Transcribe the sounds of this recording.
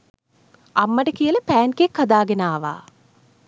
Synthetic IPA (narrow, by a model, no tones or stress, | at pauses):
amːəʈəkijələpæːnkekːad̪aːɡenaːʋa̰ː